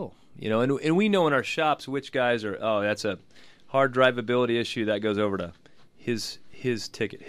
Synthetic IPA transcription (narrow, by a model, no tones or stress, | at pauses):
jɨ̰noʊɨ̃nɨ̃nwinoʊə̃ñaə˞ʃɑpswɨt͡ʃɡ̥aɪzə˞ʔoʊðætsɨhɑɹdɹaɪvɨbɪlˠəɾiɪʃʉðɨt̚ɡ̥oʊzoʊvə˞ɾɨ | hɪz̥hɪz̥tʰɪkɨt̚